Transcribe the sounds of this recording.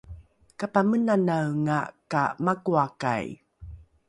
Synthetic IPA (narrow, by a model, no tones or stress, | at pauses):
kapamənanawŋa̰ka̰makuaka̰j